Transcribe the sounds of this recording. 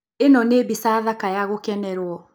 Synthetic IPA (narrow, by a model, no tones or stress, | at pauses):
enɔnebisaðakajaɣokɛnɛɾwɔ